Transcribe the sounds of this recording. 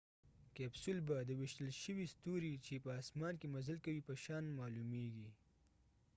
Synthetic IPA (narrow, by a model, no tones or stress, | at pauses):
kɛbsʊlbad̪əwɪʃt̪əlʃəwist̪uɾit͡ʃepəasmɑnkemazəlkawipəʃɑnmɑlumeɡi